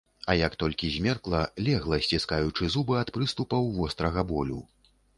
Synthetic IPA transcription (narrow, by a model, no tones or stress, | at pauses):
ɐjɐkt̪ɔlʲkʲizʲmʲɛrklˠɐlʲɛɣlˠɐsʲt͡sʲiskajut͡ʂɨzubɨɐt̪pɾɨst̪upɐwvɔst̪ɾɐɣɐbɔlʲṵ